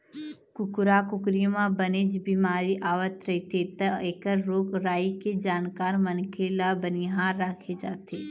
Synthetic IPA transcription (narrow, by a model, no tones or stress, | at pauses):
kʊkɾakʊkɾimãbəned͡ʒbimaːɾiʔaːʋət̪ɾɐɦit̪et̪ɐeːkəɾːoːkɾaːiked͡ʒaːnkaːɾmənkʰeːlabəniɦaːɾːaːkʰed͡ʒaːt̪eː